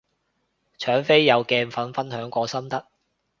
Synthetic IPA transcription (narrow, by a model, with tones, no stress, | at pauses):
t͡ʃʰœː˨˥ŋfe˥jːɐ˨˧wkɛː˧nfɐ˨˥nfɐ˥nhœː˨˥ŋkʷɔː˧sɐ˥mt̪ɐ˥k̚